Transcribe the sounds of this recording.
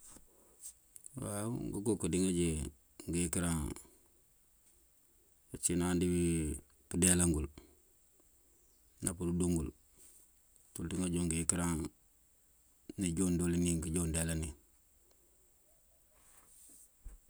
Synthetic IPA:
wauŋɡakokodiŋaɟe | ŋɡijikiɾaŋ | at͡ʃinaːndibi | pudelaŋɡul | napududuŋɡul | tuldiŋad͡ʒoŋɡijikiɾaŋ | niɟondoliniŋɡiɟondelani

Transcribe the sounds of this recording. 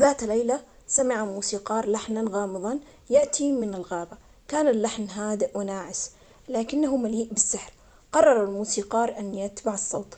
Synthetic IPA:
ðaːt̪lːejla | samɪʕamuːsiːqɑːɾˤlaħnaɣɑːmɨðˤɑn | jaʔt̪ʰimɪnalɣaːba | kaːnalːaħnɦaːd̪ɪʔwɪnaːʕɪs | laːkɪnːaɦumaliːʔbɪsːɪħɾ | qɑrˤːɑɾˤalmuːsiːqɑːɾˤʔanjat̪baʕɑsˤːɑ̰ːt̪ˤ

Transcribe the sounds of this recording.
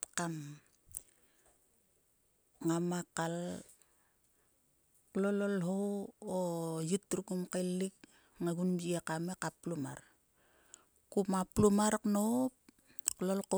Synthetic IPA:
kam | ŋamakal | klololɦowojutːɾukumkalik̚ | ŋaɡunbiakamekapluma̰ɾ | kumaplumaɾknop̚ | klolko

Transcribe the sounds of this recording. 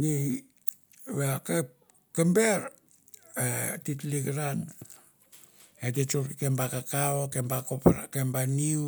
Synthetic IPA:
ni | βeake | kembeɾ | etitliɡɾan | et̬et͡ʃuɾkembakakaokembakopakembaniu

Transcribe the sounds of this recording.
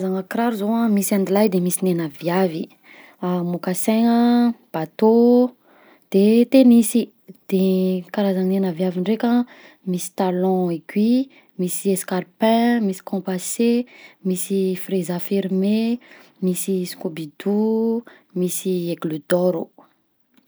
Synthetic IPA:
zaŋakɾaɾuzowãmisãnd̪ilajd̪emisinenavjavi | amokasɛŋəb̥at̪o | d̪̥et̪emisi | d̪̥ekaɾazaŋnenavjaviɳɖ͡ʐekʲã | misi̥t̪alɔ̃eɡwi | misieskaɾpɛ̃misi̥kʰɔ̃pasemisifrezafiɾme | misisi̥kobid̪u | misieɡlud̪ɔɾu

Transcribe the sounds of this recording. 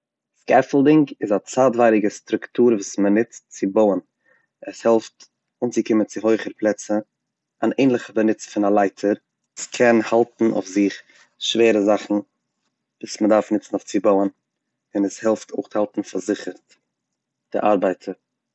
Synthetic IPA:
skɛflˠdɪŋɡɪzat͡saːtvaɪɾɪɡəstɾʊktuːɾvuːsmənɪt͡stt͡sɪboʊən | ɛshɛlˠft | ʊnt͡sɪkɪmənt͡sɪɦoʏχəɾplˠɛt͡sə | aneɪnlˠɪχəbənɪt͡sfɪnalˠaɪtʰəɾ | skʰɛnhalˠtn̩ʔo̰ʊfzɪχ | ʃveːɾəzaχn̩ | vuːsmədaɾfnɪt͡sn̩oʊft͡sɪboʊən | ɪnəshɛlˠftʰoɪχthalˠtn̩faɾzɪχəɾt | d̥ɪ̰ʔa̰ɾbaɪtʰəɾ

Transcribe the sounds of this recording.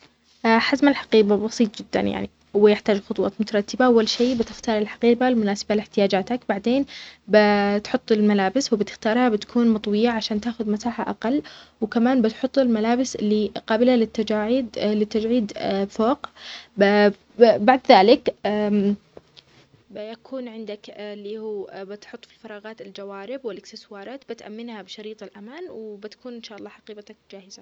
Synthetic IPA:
ʔaħazmalħḁqiːbabɑsˤiːt̪ˤd͡ʒɪd̪ːa̰nja̰ʕnḭ | wɪjɪħt̪aːd͡ʒxʊt̪ˤwɑ̰ːt̪mʊt̪ɑɾˤɑt̪ːɪbaʔawːalʃiːbɪt̪ɪxt̪ɑːɾˤɪlħḁqiːbalmʊnaːsḁbalɪħt̪ɪjaːd͡ʒaːt̪akbaʕd̪eːnbɪt̪ħʊt̪ˤːɪlmalaːbɪswɪbɪt̪ɪ̥xt̪ɑːɾˤhabɪt̪ḁkʰuːnmɑt̪ˤwɪjaʕaʃaːnt̪aːxʊðmat̪aːħa̰ʔaqɑlːwkamaːnbɪt̪ħʊt̪ˤːɪlmalaːbɪsɪlːiqɑːbɪlalɪt̪ːad͡ʒaːʕid̪lɪt̪ːad͡ʒʕiːd̪foːq | baʕd̪ðaːlɪkː | jakʰuːnʕɪnd̪aklːihuːbɪt̪ħʊt̪ˤːfi̥lfɑɾˤɑːɣɑːt̪ɪld͡ʒawaːɾɪbwɪlʔɪkst̪ɪswɑːɾˤɑːt̪bɪt̪ʔa̰mːɪnhabɪʃɑɾiːt̪ˤɪlʔamaːnwɪbɪt̪ḁkuːnʔɪnʃaːʔɑlˤːɑːħɑqiːbt̪ak̚d͡ʒaːhɪz̥a

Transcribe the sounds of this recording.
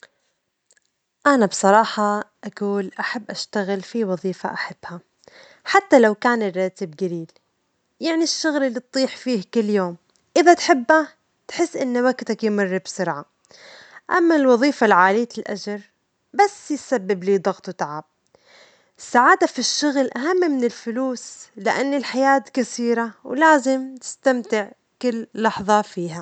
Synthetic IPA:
ʔanabsˤɑɾˤɑːħɑʔakuːlʔaħabːʔaʃt̪aɣɪlfiwɑðˤiːfa̰ʔaħab̥ːha | ħat̪ːalawkaːnɪrːɑːt̪ɪbɡaɾiːl | jaʕniʃːʊɣlɪlːit̪̚ˤːiːħfiːhkɪlːjoːm | ʔɪðat̪ħɪbːa | t̪ħɪsːʔɪnːwaɡt̪akjmɑrːbsʊɾʕa | ʔamːalwɑðˤiːfalʕaːliːt̪ɪlʔa̰d͡ʒɾˤ | basːjsabːɪbliːd̪ˤɑɣt̪ˤwt̪aʕaːb̥̚ | saʕaːd̪afiʃːʊɣlʔaɦamːmɪnɪlfʊluːslɪʔanːɪlħajaːt̪kasiːɾawlaːzɪmt̪ɪ̥st̪amt̪ɪʕ | kɪlːɑħðˤɑfiːɦa

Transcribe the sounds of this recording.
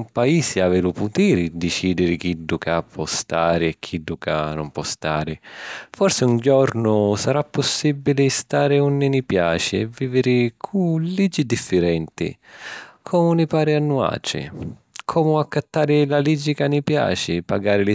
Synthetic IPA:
umpaiːsɪavɛluput̪iːɾɪd̪ɪt͡ʃiːd̪ɪɾɪk̟iɖːukapʰːɔst̪aːɾɪɛkʰːiɖːuka̰nʊ̰mpwɔst̪aːɾɪfɔrsɪuɲd͡ʒɔɾnʊsaɾapːʊsːibːilɪst̪aːɾɪunːɪnipja̰ːt͡ʃɪɛviːvɪɾɪkʰulid͡ʒːid̪ifːɪɾɛnt̪ɪ̰ | kʰɔːmʊnɪpaːɾɪanːua̰ːt͡ʃɪ̰ | kʰɔːmʊakːat̪ːaːɾɪlalid͡ʒːikanːipja̰ːt͡ʃɪpa̰ɡaːɾɪlɪ

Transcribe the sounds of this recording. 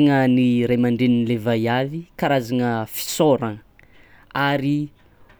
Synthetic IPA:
ŋəniɾajmaɳɖ͡ʐeninlevajavikaɾazaŋəfi̥soɾa | aɾi

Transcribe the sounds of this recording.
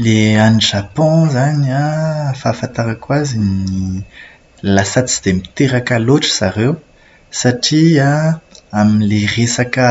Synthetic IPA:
leaniʒapɔ̃zanafafãnt̪aɾakwazini | lasat͡si̥d̪̥emit̪eɾakaloʈ͡ʂə̥z̥aɾew | saʈ͡ʂiaaminleresakə

